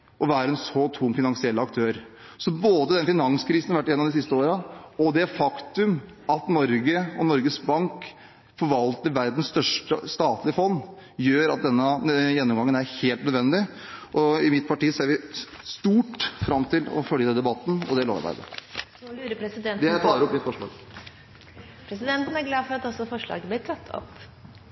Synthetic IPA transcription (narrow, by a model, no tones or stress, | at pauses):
ʔɔʋæːɾəɛnsɔt̪ʰuːmfɪnɑnsɪɛlːəɑk̚t̪ʰøːɾ | sɔboːd̪əd̪ɛnfɪnɑŋskʰɾiːsn̩ɑɾʋæʈːɪjɛnːɑmd̪ɪsɪst̪əoːɾəɔd̪ɛfɑkt̪ʉm | ɑt̪nɔɾɡəɔnɔɾɡəsbɑŋk | fɔɾʋɑlt̪əɾʋæɾd̪n̩st̪œʂʈə̰st̪ɑːt̪lɪəfɔnː | jøːɾɑt̪̚d̪ɛnːəjɛnːɔmɡɑŋənæɾheːlt̪nœd̪ʋɛnd̪ɪ | ʔɔɪmɪt̪̚pʰɑʈiːseːɾʋɪ | st̪uːʈfɾɑmt̪ʰɪlɔ̰fœljəd̪ɛnd̪ɛbɑt̪ːn̩ɔ̰d̪ɛloːʋɑɾbæ̰ɪd̪ə̰lʉːɾəpʰɾɛsɪd̪ɛnd̪t̪ʰɑːəɾɔpːmɪt̪sfpɔʂmo̰ːl | pʰɾɛsɪd̪ɛnt̪ən̩æɾɡlɑːd̪fɔɾɑt̪ɔsɔfɔʂɭɑ̰ːɡəblɪːt̪ʰɑt̪ʰːɔ̰pː